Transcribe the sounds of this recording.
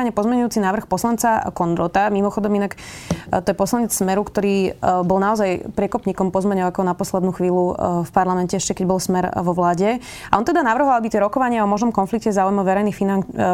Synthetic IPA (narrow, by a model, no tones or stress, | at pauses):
aɲɛpɔzmɛɲujuːt͡sinaːʋr̩xpɔslant͡sakɔnd̪ɾɔt̪amimɔxɔd̪ɔminakt̪ɔjɛpɔslaɲɛt͡ssmɛɾukt̪ɔɾiːbɔlnaɔzajpɾɪɛkɔpɲiːkɔmpɔzmɛɲɔakɔnapɔslɛd̪nuːxʋiːlufpaɾlamɛncɛɛʃcɛkɛɟbɔlsmɛɾʋɔʋlaːɟɛ | aʔɔnt̪ɛd̪anaʋr̩ɦɔabit̪ɪɛɾɔkɔʋaɲɪaɔmɔʒnɔmkɔnflikcɛzaːujmɔʋɛɾɛjnixfina